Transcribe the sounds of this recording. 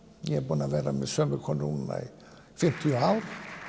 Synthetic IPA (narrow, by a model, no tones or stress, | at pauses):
jɛɛbʊnavɛːɾamɛðsœːmʏɾkʰɔnunna̰i | fɪm̥t̪ʰiɔawɾ̥